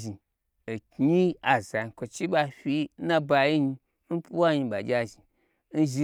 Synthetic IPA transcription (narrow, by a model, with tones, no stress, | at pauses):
ʒi˨ | e˨ki˦a˨za˨i˨˧kʷo˨t͡ʃi˦ɓa˧fʲi˦na˧ba˧ji˦ɲi˧ | n̩˦pu˦wa˦ɲi˧ɓa˨d͡ʒʲa˧ʒi˨ | n̩˦ʒi˧